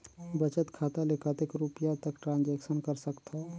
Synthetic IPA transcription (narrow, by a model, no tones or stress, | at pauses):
bət͡ʃət̪kʰaːt̪alekʰət̪ekɾupijat̪ɐkʈɾãːnd͡ʒɛːkʃənkɐɾsəkt̪a